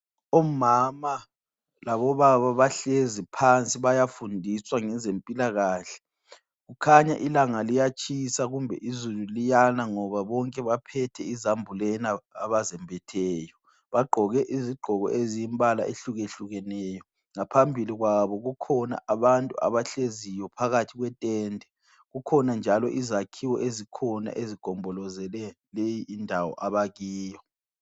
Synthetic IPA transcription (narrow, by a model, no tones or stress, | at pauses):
ɔmama | laβɔβaβaβaɬezipʰant͡sʼiβajafundʱiswaŋɛzempʼilaɣaːɬɛ̥ | ɣukʰaɲa̰ʔilaŋalijat͡ʃʼisaɣumbʱɛ̰ʔizululijanaŋɔβaβɔŋkʼɛβapʰɛtʰɛizambʱulɛnaːβazɛmbʱɛtʰɛːjɔ | βaɡ͡ǃʱɔɣɛʔiziɡ͡ǃʱɔɣɔ̰ʔezijimbʱala̰ʔeɬuɣeɬuɣɛnɛːjɔ | ŋapʰambʱiliɣwaβɔɣukʰɔna̰ʔaβantʼua̰βaɬezijɔpʰaɣatʰiɣwɛtʼɛːndʱɛ | ɣukʰɔnand͡ʒʱalɔʔizakʰiwɔʔezikʰɔna̰ʔeziɡ̥ʱɔmbʱɔlɔzɛlɛ | lejiʔːndʱawɔ̰ʔaβaɣiːjɔ